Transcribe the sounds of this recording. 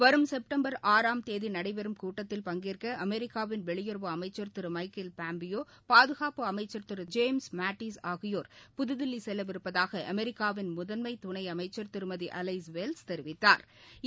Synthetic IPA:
ʋɐɾɯmsɛp̚ʈɐmbɐɾaːɾaːmt̪eːðinɐɽɐɪbɛɾɯmkuːʈːɐt̪ːɪlpɐŋɡɪrkɐɐmɛɾɪkːaːʋɪnʋɛɭɪjɔɾʋɐɐmɐɪt͡ʃːɐɾt̪ɪɾɯmɐɪkɪlpaːmbɪjoː | paːðɯɣaːpɯɐmɐɪt͡ʃːɐɾt̪ɯɾɯd͡ʒeːmsmaːʈːiːsaːɣɪjoːɾpʊðɯðɪlːisɛlːɐʋɪɾɯpːɐðaːɣɐʔɐmɛɾɪkːaːʋɪnmʊðɐnmɐɪt̪ʊɳɐɪɐmɐɪt͡ʃːɐɾt̪ɪɾɯmɐðiʔɐlɐɪsʋelst̪ɛɾɪʋɪt̪ːa̰ːɾ

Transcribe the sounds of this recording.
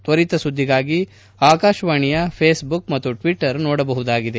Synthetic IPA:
t̪ʋɐɾit̪ɐsud̪ʱːiɡaːɡi | aːkaːʃʋaːɳijɐpʰeːsbukmɐt̪ːuʈʋiʈːɐɾnɔːɽɐbɐɦud̪aːɡid̪e

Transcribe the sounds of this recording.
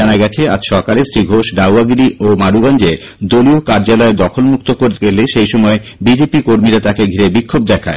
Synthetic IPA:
anaɡɛt͡ɕʰea̰d͡ʑʃɔkalesɾiɡʱoʃɖawaɡɾiomaɾuɡand͡ʑeɾ | d̪oliokaɾd͡ʑalɔed̪ɔkʰolmuk̚t̪okoɾeleʃejʃɔmɔe | bid͡ʑepikoɾmiɾat̪akeɡʱiɾebikʰːob̚d̪ɛkʰa̰e

